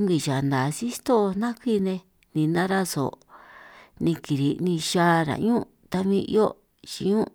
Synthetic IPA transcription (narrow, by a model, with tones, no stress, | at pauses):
ŋɡi˨ʒa˨nd̪a˨si˦st̪o˦˧nã˦kʷi˦nẽ˧ | nĩ˧nã˦ɾa˦so̰˨ | nĩ˧ki˨ɾi˨nĩ˧ʃa˦ɾa̰˨ɲũ˦ | t̪a˧mĩ˧ʔjo˦ | t͡ʃḭ˨ɲũ˦